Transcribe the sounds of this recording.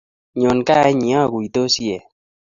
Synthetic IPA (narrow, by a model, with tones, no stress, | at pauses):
ɲo˨nka˦ɲi˨a˦˨ki˨t̪o˦si˦e˨